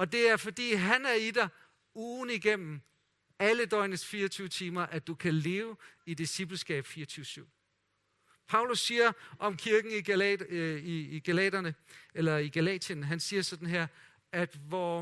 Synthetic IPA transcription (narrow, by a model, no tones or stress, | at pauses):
ɒ̽d̥e̝æɐfɒ̽d̥ḭːɦænæɐid̥ɑ̈ɪ | uːðˠn̩iɡ̥em̰m̩ | æləd̥ɒ̽ɪnəsfiːɐt͡sʰyːʊət͡sʰiːmɐʔæd̥ukʰæle̝ːʊid̥isib̥l̩sɡ̥ɛ̰ːb̥fiːɐt͡sʰyːʊəsyʊ̰ | pʰɑ̈ʊlusːiːɐʔɒ̽mkʰiɐɡ̥n̩i | iɡ̥ælɛ̰d̥ɐnəelɐiɡ̥ælɛ̰ːdʰənɦænsiːɐsɒ̽d̥n̩ɦeɐ̰ | æd̥ʋɒ